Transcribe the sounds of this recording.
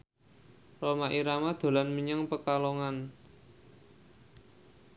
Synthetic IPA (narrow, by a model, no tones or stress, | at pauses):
romaʔiɾamad̪̥o̤lanməɲəŋpəkaloŋan